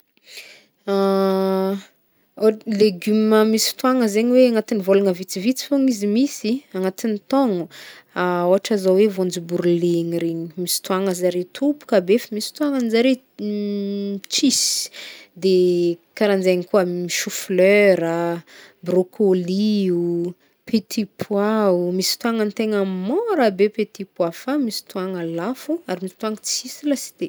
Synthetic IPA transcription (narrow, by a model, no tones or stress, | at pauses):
a | leɡyməmisi̥t̪waŋəzeɲiweaŋat̪inivolaŋəvit͡sivit͡si̥foŋizimisiaŋat̪init̪ɔŋuaoaʈ͡ʂazawevond͡ʒibuɾuleŋiɾeɲi̥misi̥t̪waŋəzaɾet̪ʰupu̥kabefəmisi̥t̪uaŋanzaɾe | t͡ʃisi̥d̪ekaɾand͡zajɲikuəmiʃufløɾə | brokʰoliu | pʰet̪ʰipʰwaumisi̥t̪uaŋənt̪eŋəmoɾabepet̪ipwafamisi̥t̪uaŋalafuaɾimisit̪uaŋət͡sisilasi̥d̪̥e